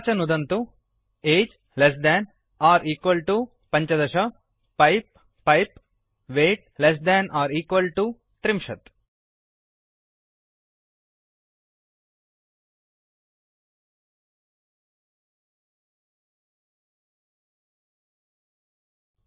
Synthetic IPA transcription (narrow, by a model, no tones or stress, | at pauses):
t͡ʃɐnud̪ɐnt̪u | eːd͡ʒ | les̬d̪ɛːn | aːɾʔiːkʋɐlʈu | pɐ̃ɲt͡ʃɐd̪ɐʃɐ | pɐjp̚ː | ɐjp | ʋeːʈ̚les̬d̪æːnaːɾiːkʋɐlʈu | t̪ɾimʃɐt̪